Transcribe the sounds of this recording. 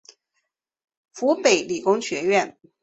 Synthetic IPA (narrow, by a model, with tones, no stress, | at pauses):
fu˧˥pe˨˩ɪli˨˩kʊ˥ŋɕɥɛ˧˥ɥɛ˥˩n